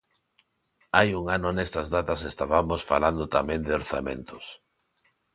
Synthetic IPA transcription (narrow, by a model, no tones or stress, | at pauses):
ajuŋanʊnest̪azðat̪asest̪aβamosfaland̪ot̪amẽnd̪ɪoɾθamḛ̃nt̪ʊs